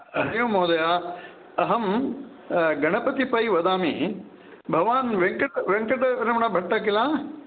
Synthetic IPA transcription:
ɐɦjõːmoːd̪ɐja | ɐɦɐm | ɡʱɐɽ̃əpɐt̪ipɐiʋɐd̪aːmiː | bʱɐʋaːnʋẽŋkɖʋẽŋkəɖɾɐmɐɽ̃abʱɐʈːɐkɪlãː

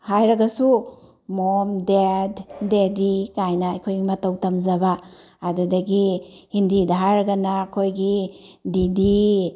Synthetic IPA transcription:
hajɾɐɡɐsu | momdedːedikajnɐːjkʰojɡimɐtɐwtɐmzɐbaː | dudɐɡihindidɐɦajɾɐɡɐnakʰojɡididi

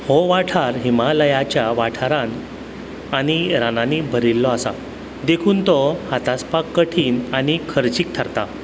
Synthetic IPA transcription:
hɔʋaʈʰaɾɦimaləjat͡ɕjaʋaʈʰaɾan | aɽ̃iɾananibʱəɾilːɔasa̰ | d̪ekʰuːnt̪ɔhat̪aspakːəʈʰiːnaɽ̃ikʰəɾt͡ɕiːk̚t̪ʰaɾt̪a

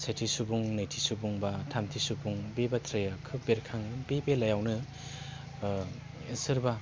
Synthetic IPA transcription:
sejtʰisubuŋnajtʰisubuŋbatʰamtʰisubuŋbebat̪ʰɾejakʰɯbeɾkʰaŋbebelajawnɯ | sɯɾba

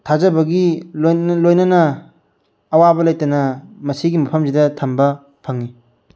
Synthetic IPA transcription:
tʰazɐbɐɡillojnɐnɐ | ɐwabɐlɐjtɐnɐmɐsiɡimɐpʰɐmsidɐtʰɐmbɐ | pʰɐŋi

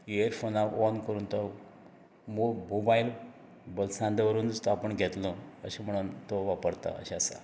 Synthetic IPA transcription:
eəɾfʰonaʋɔnkəɾuːnt̪ɔ | momobail | bəlsãnd̪eʋəɾuːnst̪apəɳɡʱet̪lɔəɕem̤əɽ̃uːnt̪oʋapəɾt̪a̰ə̰ɕeasa̰

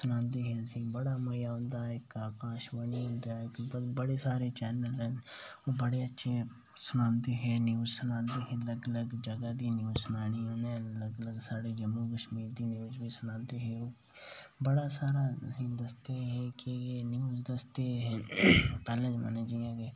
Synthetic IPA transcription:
sʊnãːnd̪eːɦɛ̃ːəsĩːbəɽaːməjaːʊ̃nd̪aːɪkaːkãːʃbəniːʊ̃nd̪aːɪkbbəɽeːsaːɾeːt͡ʃɛːnəlɦənoːbəɽeːətːʃʰeː | sʊnãːnd̪eːɦɛːnjuːzsʊnãːnd̪eːɦɛ̃ləɡələɡd͡ʒəɡaːd̪iːnjuːzsʊnaːniːoːneːləɡələɡsaːɽeːd͡ʒəmːuːkəʃmiːɾd̪iːnjuːzbiːsʊnãːnd̪eːɦɛːoː | bəɽaːsaːɾaːsĩːd̪əst̪eɦɛːkejeːnjuːzd̪əst̪eːɦɛpɛːlẽd͡ʒmə̰neːd͡ʒijãːɡeː

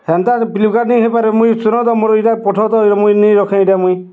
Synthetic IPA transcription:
hent̪apilukanejɦepaɾemũĩsunɔt̪ɔmoɾɔiʈapɔʈʰɔt̪ɔɾɔmũĩnejɾɔkʰãʈamũĩ

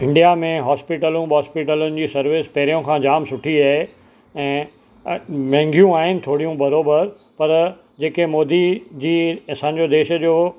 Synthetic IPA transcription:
ɪ̃ɳɖijamẽɦaːspiʈəlũbɔːspɪʈəlʊnɪ̆d͡ʑiːsɐɾʋɪːspɛːɾijõkʰãːd͡ʑaːmsʊʈʰiaːɦe | ɛ̃ː | mɛ̃ːŋɡʱjũaːɦɪnɪ̆t̪ʰoːɽijũbɐɾoːbəɾ | pɐɾ | d͡ʑeːkemoːd̪id͡ʑiːɐsãːɲ̆d͡ʑod̪eːʃəd͡ʑoː

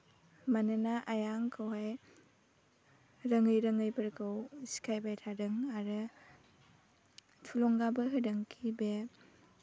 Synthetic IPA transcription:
manɯnaʔajaŋkʰawɦaj | ɾɐŋɯjɾɐŋɯjbɐɾkʰɯwsi̥kʰajbajtʰadɯŋaɾɯ | tʰulɔŋɡabɯɦɯdɯŋkʰibe

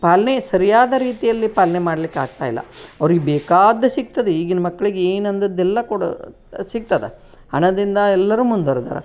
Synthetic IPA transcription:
paːlɐɳesɐɾijaːd̪ɐɾiːt̪ijɐlːipaːlɐɳemaːɽɐlikːaːɡ̚t̪aːjlːɐ̰ɐʋɐɾiɡebeːkaːd̪ɐsik̚t̪ɐd̪eiːɡinɐmɐkːɐɭiɡeeːnɐnd̪ɐd̪ːɛlːɐkuːɽɐ̰ | sik̚t̪ɐd̪e | ɐɳɐd̪ind̪ɐɛlːɐɾuːmund̪ʋɐɾd̪a̰ːɾɐ̰

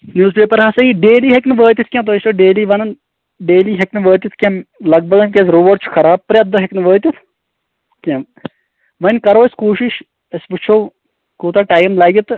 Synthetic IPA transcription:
njuːzpeːpɐɾɦɐsɐiɖeːliːɦeknɨʋəːt̪it̪̚ʰkʲẽmt̪oːjʃtoːɖeːliːʋɐnɐn | ɖeːliːɦɐknɨʋəːt̪ʲit̪ʰkʲẽmlɐɡ̚bɐd̪ɐnkʲezɾoːʋoːɖ̚t͡ʃʰu̥kʰɐɾaːb̚pɾʲɐd̪ɐɦeknɨʋəːt̪it̪ʰ | kʲem | ʋɐnʲkɐɾoːɐskuːʃiʃ | ɐsbut͡ʃʰoː | kuːt̪aʈaːjmlɐːɡʲit̪

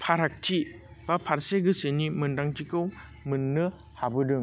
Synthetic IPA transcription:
pʰaɾak̚tʰi | bapʰaɾseɡɯsenimɯndaŋtikɯw | mɯnːɯ | habɯdɯŋ

